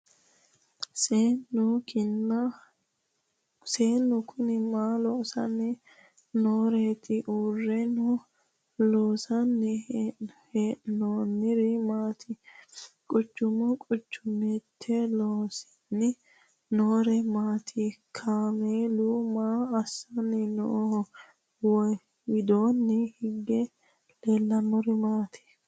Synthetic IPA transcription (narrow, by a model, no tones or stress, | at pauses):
seːnːʊkɪnːɐ | seːnːʊkʰʊnɪmaːloːsɐ̰nːɛ | noːɾeːt̪ɪʔuːrːɛnʊ | loːsɐnːɛ | heːnoːnɪɾɪmaːt̪ʰɪ | kʼʊt͡ʃːʊmɔkʼʊt͡ʃːʊmɛt̪ʰːɛloːsɪ̥nːɪ | noːɾɛmaːt̪ʰɪkʰaːmeːlʊmaːɐsːɐnːɛno̰ː | wɔj | wɪd̪oːnːɛhɪɡːɛ | leːlːɐnɔɾɪmaːt̪ʰɪ̥